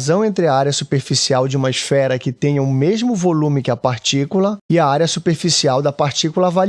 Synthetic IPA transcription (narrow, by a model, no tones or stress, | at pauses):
zɐ̃w̃ẽnt̪ɾɪɐaɾjɐsupeɾfisiawd͡ʒɪũmɐɪsfɛɾɐkɪt̪ẽj̃ɐʊmeʒmʊvolũmɪkɪɐpaɾt͡ʃikulɐɪɐaɾjɐsupeɾfisiawd̪ɐpaɾt͡ʃikulɐaval